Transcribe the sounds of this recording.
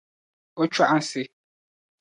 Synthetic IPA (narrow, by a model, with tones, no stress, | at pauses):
o˦t͡ʃwa˦ʔa˦sɪ˦